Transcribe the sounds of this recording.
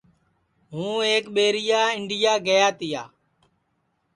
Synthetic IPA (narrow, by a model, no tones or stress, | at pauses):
ɦũːeːkɓeːɾɪjaːɪɳɖɪjaːɡəjaːt̪ɪjaː